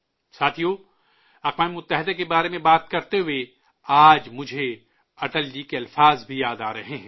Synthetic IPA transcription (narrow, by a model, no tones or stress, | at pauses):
saːt̪ʰijoː | ɐxwaːmemʊt̪ːɛɦɪd̪akebaːɾemẽbaːt̪̚kɐɾt̪eɦʊe | aːd͡ʒmʊd͡ʒʱe | ɐʈəld͡ʒikeɐlfaːzbʱijaːd̪aːɾɐɦeɦɛ̃